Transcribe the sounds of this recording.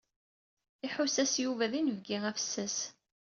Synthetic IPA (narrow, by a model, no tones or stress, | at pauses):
iħusæsjuvæðinəvɡiʁæfsːəs